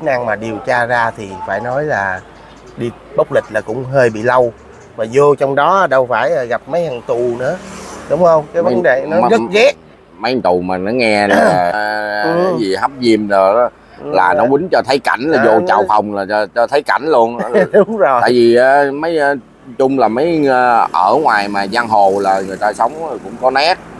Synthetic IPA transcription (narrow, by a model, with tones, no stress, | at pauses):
i˦˥na˧ŋmaː˨˩ɗi˨˩əwt͡ɕaː˧zaː˧t̪ʰi˨˩faː˧˩jnɔ˨˦jlaː˨˩ | ɗi˧ | ɓə˦˥wk͡p̚lï˨˩k̟̚laː˨˩kʊ̰˧˥ŋ͡mɦəː˧jɓḭ˧˨lə˧w | maː˨˩zo˧t͡ɕɔ˧wŋ͡mɗɔ˨˦˧ɗə˧wfaː˧˩jːɣa˨˩p̚mə˨˦jha˨˩ŋt̪ʊ˨˩nɨ̰˧˥əɗʊ˨˦wŋ͡mhə˧wŋ͡mkaː˨˦jvə˨˦nɗe˨˩nɔ˨˦zə˦ɣɛ˦˥ | mə˨˦jt̪ʊ˨˩maː˨˩nɔ˨˦ŋɛ˧na˨˧a˨˦jzi˨˩ha˦˥p̚zi˧əmnə˨˩˨ | laː˨˩nɔ˨˦wï˨˦ŋ̟t͡ɕɔ˧t̪ʰə˨˦jka˧˩n̟laː˨zo˧t͡ɕa˧˩wfʰə˨˩wŋ͡mlaː˨˩˧t͡ɕɔ˧t̪ʰə˨˦jka˧˩n̟lu˧ən˧ɗʊ˨˦ŋ͡mzo˨˩a̰ː˧˨jvi˨˩ʔaː˨˦mə˨˦j | t͡ɕʊ˧ŋ͡mlaː˨˩mə˨˦jʔəː˧˩ŋwaː˨˩jmaː˨˩zaː˧ŋɦo˨˩laː˨˩ŋɨ˨˩əjt̪aː˧sə˨˦wŋ͡mkʊ̰˧˥ŋ͡mkɔ˨˦na˦˥t̚